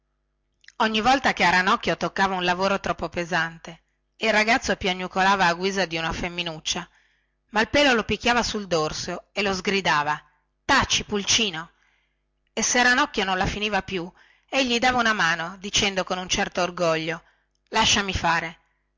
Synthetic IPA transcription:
oɲːivɔlt̪akeaɾanɔkːjot̪okːaːvaunlavoːɾot̪ɾɔpːopezant̪e | ilraɡat̪sːopjaɲːukolaːvaːɡwiːzad̪iunafemːinut͡ʃːa | mailpɛːlolopikʲːjaːvasuld̪orsoelozɡɾid̪aːva | t̪at͡ʃːipult͡ʃiːno | eseaɾanɔkːjononlafiniːvapju | eʎːid̪aːvaunamaːnod̪it͡ʃɛnd̪okonunt͡ʃɛrt̪oːrɡɔʎːo | laʃːamifaːɾe

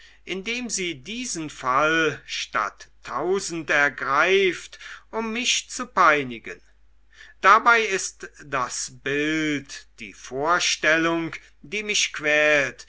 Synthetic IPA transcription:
ʔɪndeːmziːdiːzənfalʃta̰tʰːaʊzn̩tɛɐɡʁaɪftʔʊmːɪʃt͡supaɪnɪɡə̰n | d̥abaɪɪstd̥asb̥ɪltd̥ḭːfoːɐʃtɛlʊŋ | d̥iːmɪʃkv̥ɛːlt

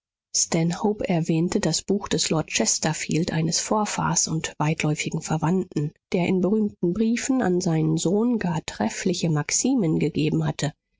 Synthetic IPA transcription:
stɛnhoːpɛɐvɛːntʰədasb̥uːxd̥ɛslɔɐt̚t͡ʃɛstɐfḭːltʔaɪnəsfoːɐfa̰ːsʊntv̥aɪtʰlɔʏfɪɡŋ̩fɛɐvantn̩d̥eːɐʔɪ̰nbəʁyːmtn̩bʁiːfn̩a̰nzaɪnənzoːnɡaːɐtʁ̥ɛflɪçəmaksiːmənɡəɡeːbm̩hatʰə

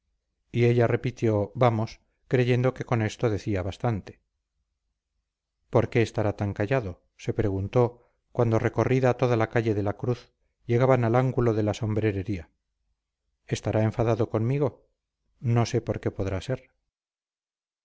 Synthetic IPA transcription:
ieʎare̞pit̪jo̞βamo̞s | kɾe̞ʝe̞nd̪o̞ke̞ko̞ne̞st̪o̞ðe̞θiaβast̪ant̪e̞̥ | po̞ɾke̞ːst̪aɾat̪aŋkaʝaðo̞ | se̞pɾe̞ɣ̞unt̪o̞ | kwand̪o̞re̞ko̞riðaːt̪o̞ðalakaʎe̞ðelakɾuθ | je̞ɣaβanalaŋɡulo̞ðe̞laso̞mbɾe̞ɾe̞ɾia | e̞st̪aɾaeɱfaðaðo̞ko̞nmiɣo̞ | no̞se̞po̞ɾke̞po̞ðɾase̞ɾ

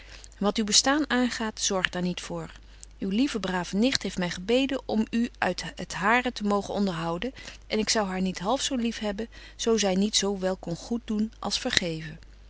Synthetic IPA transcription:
ʋɑtywbəstaːnaːnχaːtz̥ɔɹχdaːɹnitfʊːɹ | ywlivəbraːv̥ənɪχtɦejftmɛjχəbejdənʔɔmyʔœ̰ɥtətɦaːrətəmowχənɔndəɹɦɑwdəʔɛnɪksɑwɦaːɹnitɦɑlˠfsowlifɦɛbən | z̥owzɛjnitsowʋɛlˠkɔnχut̚dunʔɑ̰lˠsfəɹχejvən

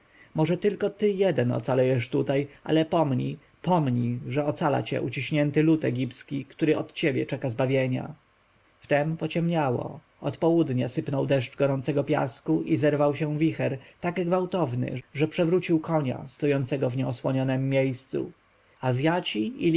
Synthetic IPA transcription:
mɔʐɛt̪ɘlkɔt̪ɘjɛd̪ɛnɔ̰t̪salɛjɛʂt̪ut̪ajʔa̰lɛpɔmɲḭ | pɔmɲiʐɛɔt̪sala̰t͡ɕɛ̰ʔut͡ɕiɕɲɛnt̪ɘlut̪ɛɡʲipskʲikt̪uɾɘʔɔt̪t͡ɕebʲjɛ̰t͡ʂɛkazbavʲjeɲa̰ | ft̪ɛmpɔt͡ɕɛmɲawɔ̰ | ɔt̪pɔwud̪ɲasɘpnɔwd̪ɛʂt͡ʂɡɔɾɔnt̪sɛɡɔpʲja̰skuʔizɛɾvawɕɛ̃vʲixɛɾt̪aɡɡvawt̪ɔvnɘ̰ʐɛpʂɛvɾut͡ɕiwkɔɲa̰st̪ɔjɔnt̪sɛɡɔvɲɛɔswɔɲɔnɛmːʲjejst̪sṵ | azʲjat͡ɕii

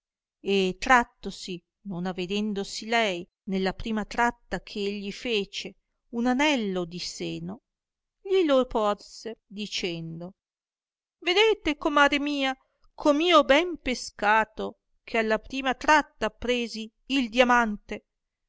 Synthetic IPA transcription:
et̪ɾat̪ːosi | nonavːed̪ɛnd̪osilɛj | nelːapɾiːmat̪ɾat̪ːakʰeeʎːifeːt͡ʃe | unanɛlːod̪iseːno | ʎilopɔrsed̪it͡ʃɛnd̪o | ved̪eːt̪ekomaːɾemiːa | kʰomiːobɛmpeskaːt̪o | kʰealːapɾiːmat̪ɾat̪ːapɾeːziː | ld̪jamant̪e

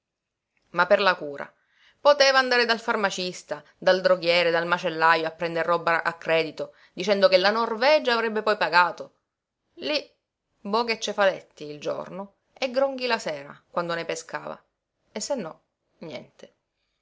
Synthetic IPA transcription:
mapːerlakuːɾa̰ | pot̪eːvaːnd̪aːɾed̪alfarmat͡ʃist̪a | d̪ald̪ɾoɡjɛːɾed̪almat͡ʃelːajoapːɾɛnd̪erːɔbːaʔa̰kːɾɛːd̪it̪o | d̪it͡ʃɛnd̪okelanorvɛːd͡ʒaːvɾɛbːepɔjpaɡaːt̪o | li | bɔɡet͡ʃːefalɛt̪ːiːld͡ʒo̰rno | eɡɾoŋɡilasɛːɾa̰kwand̪onepeska̰ːva̰ | esːenːɔ | njɛ̰nt̪e

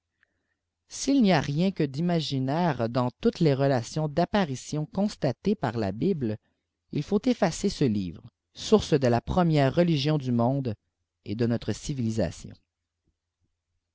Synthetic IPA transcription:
silniaʁjɛ̃kəd̪imaʒinɛʁd̪ɑ̃t̪ut̪leʁəlasjɔ̃d̪apaʁisjɔ̃kɔ̃st̪at̪epaʁla̰bibl | ḭlfot̪efasesəlḭːvʁə | suʁsd̪əlapχəmjɛːʁːəliʒjɔ̃d̪ymɔ̃d̪ | ed̪ənɔt̪χəsiviliza̰sjɔ̰̃

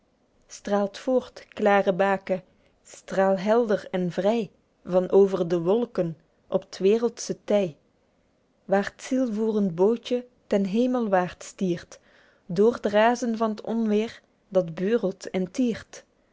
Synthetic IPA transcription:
straːlˠtfoːɹtklaːrəbaːkə | straːlˠɦɛlˠdərɛnvrɛj | vɑnʔoːwvərdəʋɔlˠkən | ʔɔptʋɪːrəlˠtsətɛj | ʋaːrətsilˠvuːrəndbowt͡ʃə | tɛnɦejməlˠʋaːrtstiːrt | dʊːrdəraːzənvɑnətɔnʋɪːr | dɑdbøːrəlˠtɛntiːrt

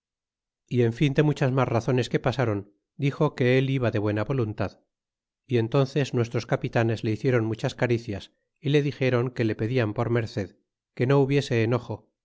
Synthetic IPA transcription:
ie̞ɱfind̪e̞mut͡ʃazmasraθo̞ne̞ske̞pasaɾo̞n | d̪ixo̞ke̞eliβaðe̞β̞we̞naβo̞lunt̪að | ie̞nt̪o̞nθe̞znwe̞s̬t̪ɾo̞skapit̪ane̞zleiθje̞ɾo̞nmut͡ʃaskaɾiθjas | ile̞ðixe̞ɾo̞ŋke̞le̞pe̞ðiampo̞ɾme̞ɾθe̞ð | ke̞no̞uβje̞se̞ːno̞xo̞

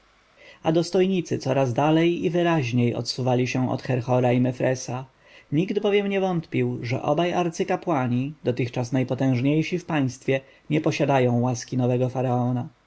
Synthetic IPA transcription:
ad̪ɔst̪ɔjɲit̪sɘt̪sɔɾazd̪alɛjivɘɾaʑɲejɔ̰t̪suvalʲiɕɛ̃ɔ̰t̪xɛɾxɔɾaimɛfɾɛsa | ɲiɡd̪bɔvʲjɛmɲɛvɔnt̪pʲiwʐɛ̰ʔɔbajaɾt̪sɘkapwaɲid̪ɔt̪ɘxt͡ʂasnajpɔt̪ɛ̃w̃ʐɲejʂifpaj̃st̪fʲjɛ | ɲɛpɔɕad̪ajɔ̃w̃waskʲinɔvɛɡɔfaɾaɔna

